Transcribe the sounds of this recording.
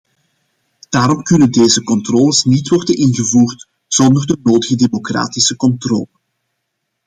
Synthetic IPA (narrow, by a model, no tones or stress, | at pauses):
d̥aːɾɔmkɵnəndeːzəkɔntroːləsnitwɔrdənɪnɣəvuːrt | z̥ɔndərdənoːdəɣədemokra̰ːtɪsəkɔntro̰ːlən